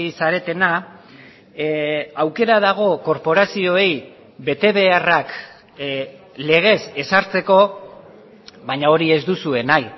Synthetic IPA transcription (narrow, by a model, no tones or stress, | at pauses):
isaɾe̞t̪e̞na | awke̞ɾað̞aɣ̞o̞ko̞ɾpo̞ɾasio̞e̞j | be̞t̪e̞βe̞arak | le̞ɣ̞e̞se̞saɾt͡se̞ko̞ | βaɲao̞ɾie̞zd̪usue̞naj